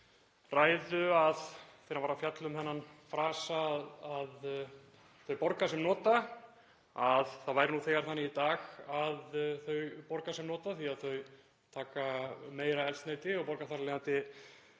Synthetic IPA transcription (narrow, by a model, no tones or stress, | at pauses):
raːjðʏaðθejɾamvaːɾafjat̪lʏmhɛnːanfɾaːsaað | θœɥpɔɾkasɛmnɔːt̪a | aðθaðvaːjɾɪnuθɛːɣaɾ̥θanːɪit̪aːɣaðθœɥpɔɾkasɛmnɔːt̪aθiaðθœɥ | t̪ʰaːkameːjɾaɛlst̪neːjt̪ɪɔpɔɾkaθaɾleant̪ɪ